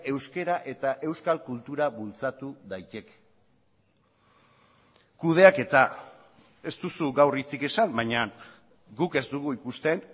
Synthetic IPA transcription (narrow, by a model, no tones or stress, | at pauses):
e̞wske̞ɾaʔe̞t̪aʔe̞wskalkult̪uɾaβult͡sat̪uðajt̪e̞k | kuð̞e̞ake̞t̪a | e̞st̪usuɡawrit͡sike̞sambajɲa | ɡuke̞zd̪uɣuikust̪e̞n